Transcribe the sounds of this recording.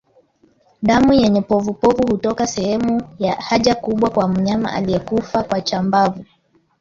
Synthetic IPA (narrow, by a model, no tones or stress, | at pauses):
ɗamujɛɲɛpɔvupɔvuhutɔkasɛhɛmujahaʄakuɓwakwam̩ɲama̰ʔa̰lijɛkufakwat͡ʃambavu